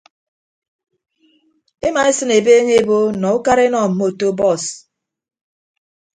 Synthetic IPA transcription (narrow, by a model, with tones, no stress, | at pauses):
ɪ˦ma˨ɪ˦si˦ne˨be˦ɲe˦bo˦nɔ˨ʊ˦ka˦ɾɪ˦nɔ˦˨m̩˨mo˦˨to˦bɔ˦˨s